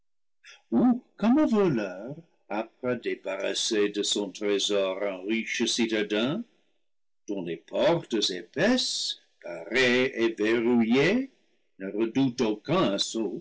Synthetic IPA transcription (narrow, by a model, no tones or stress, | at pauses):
ukɔməvɔlœʁ | ap̚ʁɛd̪ebaʁa̰sedəsɔ̃t̪ʁezɔʁɛ̃ʁiʃəsitad̪ɛ̃ | d̪̥ɔ̃lepʰɔʁt̪əzepɛs | paʁeeveʁuje | nəʁədutokɛ̃aso